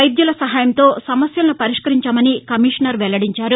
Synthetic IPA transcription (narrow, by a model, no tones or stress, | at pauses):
ɐjd̪jɐlɐsɐɦaːjɐmt̪o̞ːsɐmɐsjɐlnupɐɾiʂkɐɾiɲt͡ʃaːmɐnikɐmiʂɐnɐɾʋɛlɐɽiɲt͡ʃaːɾu